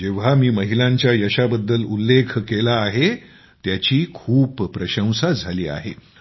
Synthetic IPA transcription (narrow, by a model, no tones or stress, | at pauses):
d͡ʑeʋ̤amiːməɦilãɲt͡ɕjajəɕabəd̪ːəlulːekʰkelaːɦe | t̪jat͡ɕiːkʰuːpːɾəɕə̃w̃sad͡zʱaliːa̰ɦe